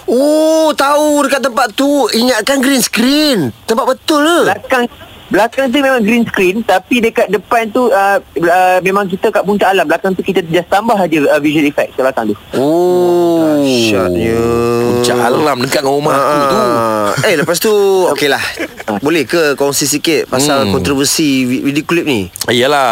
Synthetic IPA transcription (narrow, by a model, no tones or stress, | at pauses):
ot̪audəkat̪t̪ːəmpat̪t̪uiŋaʔ̪̚kanɡɾinsə̥kɾint̪əmpat̪ʔ̚bət̪ʊlblakaŋ | blakaŋt̪̬umẽmãŋɡɾinskɾint̪apidəkat̪̚dəpant̪uəəmẽmãŋk̬it̪əkaʔpuɲt͡ʃaʔalamblakaŋt̪ukit̪ət̪d͡ʒast̪ambaɦad͡ʒəəvisualifɛk̚kablakaŋt̪uo | ʃajəuɲt͡ʃaʔalaŋlamdəŋkaʔ̚ŋaomaʔəueləpast̪uokelahəbolɛhkəkɔŋsis̬ikɪt̪̚pasalkɔnt̪ɾovəsiwidioklip̚niijəla